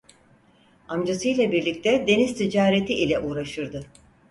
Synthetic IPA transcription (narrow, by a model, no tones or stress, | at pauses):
amd͡ʒasɯjlʲˠɛbiɾlʲic̚t̪ɛd̪e̞nizt̪ʰid͡ʒaːɾet̪ʰiilʲɛʔuːɾaʃɯɾd̪ɯ